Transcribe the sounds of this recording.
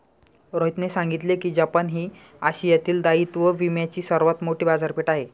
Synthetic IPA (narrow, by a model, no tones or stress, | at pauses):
ɾoit̪nesãŋɡit̪lekiːd͡ʑapənɦiː | aɕijat̪iːld̪ait̪ʋəʋimjat͡ɕiːsəɾʋat̪moʈiːbad͡zaɾpiʈaɦe